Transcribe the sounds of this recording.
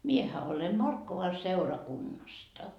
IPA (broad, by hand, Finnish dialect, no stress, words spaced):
miehæ ole mɑrkːoʋɑ seurɑkunːɑstɑ